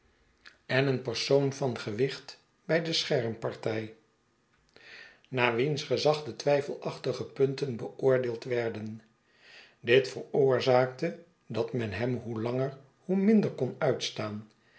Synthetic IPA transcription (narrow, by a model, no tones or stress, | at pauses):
ɛnənpəɹsownvɑnχəʋɪχt | b̥ɛjdəsχɛɹmpɑɹtɛj | naːʋinsχəzɑχdətʋɛjfəlˠɑχtəχəpɵntənbəʊːɹdɪːlˠtʋɛɹdən | dɪtfəɹʊːɹzaːk̚tə | dɑtmɛnɦɛmɦulɑŋəɹ | humɪndəɹkɔnœɥtstaːn